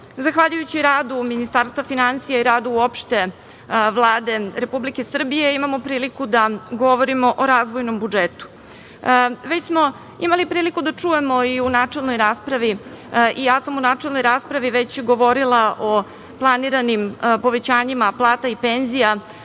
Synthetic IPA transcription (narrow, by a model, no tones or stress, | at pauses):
zaxʋaʎujut͡ɕiɾaːd̪uminist̪aːɾst̪ʋafinansijaiɾaːd̪uuopʃt̪e̞ | ʋlˠaːd̪e̞ɾepublike̞sr̩bije̞imamo̞pɾiːlikud̪aɡo̞ʋo̞ɾimo̞ʔoɾaːzʋojnombud͡ʒet̪u̥ | ʋe̞t͡ɕsmo̞ | imalipɾiːlikud̪at͡ʂuje̞mo̞iunaːt͡ʂelnojɾaːspɾaʋi | ʔijaːsamunaːʈ͡ʂelno̞jɾaːspɾaʋiʋe̞t͡ɕɡo̞ʋo̞ɾilˠaʔo̞ | plˠaniɾanimpo̞ʋe̞t͡ɕaːɲimaplˠaːt̪aipe̞nzija